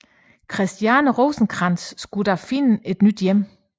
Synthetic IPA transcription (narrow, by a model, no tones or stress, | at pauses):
kʰʁɛsd̥jænəʁɔːsn̩ɡ̥ʰʁɑ̈nsːɡ̥ud̥ɑfinəe̝d̥nyd̥jem̰